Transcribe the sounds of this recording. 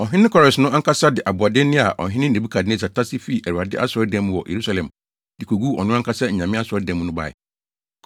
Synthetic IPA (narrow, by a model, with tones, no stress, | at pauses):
ɔ˨ɦɪ̃˦nɪ̃˦kʰɔ˦ɾɛ˨snʊ̃˦ʔa˦ŋ˦kʰa˦sa˦dɪ˨ʔa˨bʊ˨a˨dɪ˦nɪ̃˦a˨ʔɔ̰˨ɦɪ̃˦nɪ̃˦ne˨bi˦kʰa˨dɪ˦nɪ̃˦sa˨tʰa˦sɪ˦fi˦˨ʔæ˨u˨a˨dɪ˦ʔa˦sɔ˦dɛ̃˦m̃˦wɔ˨jʔḛ˨ɾu˦sa˨lɛ̃˨m | dɪ˨kʰo˨ɡu˦ɔ̰˨nʊ̃˦a˦ŋ˦kʰa˦sa˦ɲ̩˨ɲã˨mɪ̃˦a˦sɔ˦dɛ̃˨˦m̃˦nʊ̃˦ba̰˨ɪ̰˨